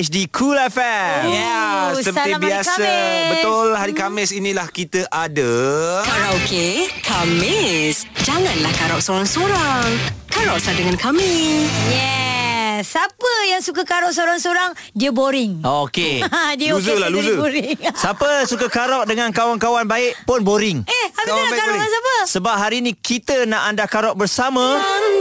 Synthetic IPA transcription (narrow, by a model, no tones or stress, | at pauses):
ɛt͡ʃdikʰulɛfɛjasəpəambiasasabət̪ʊlhaɾikamɪsinĩlahkit̪əʔadəaɾaokekʰamɪsd͡ʒaŋãnlahkaɾɔʔsoɾaŋsoɾaŋkaɾɔʔsadəŋãnkʰamijɛ | sapəjaŋsukəkaɾɔʔ̚soɾaŋsoɾaŋ | diəboɾɪŋokediəuzəlaluzəoɾɪŋsapəsukəkaɾɔʔ̚dəŋankawankawanbaɪʔpʊnboɾɪŋɛhapiakaɾɔkasapəsəbap̚ɦaɾiːnĩkit̪ənaʔandakaɾɔʔ̚bərsamã